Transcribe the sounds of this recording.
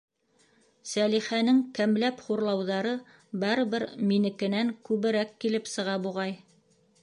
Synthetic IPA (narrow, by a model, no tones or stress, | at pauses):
sæliχænɘŋkæmlæpχuɾlˠɑwðɑɾɤ | bɑɾɤ̆βɘɾminɘ̆kɘ̆næŋkʉβɘ̆ɾækːilɘpsɤ̆ʁɑbuʁɑj